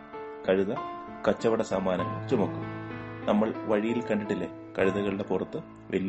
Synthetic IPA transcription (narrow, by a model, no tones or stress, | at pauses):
kɐɻuðɐ | kɐt͡ɕːɐʋɐɽɐsaːmaːnɐŋɐ̰ɭt͡ɕumɐkːumnɐmːɐɭʋɐɻijilkɐɳɖiʈːilːe | kɐɻuðɐɣɐɭiɽe̞purɐt̪ːɨ | ʋʔel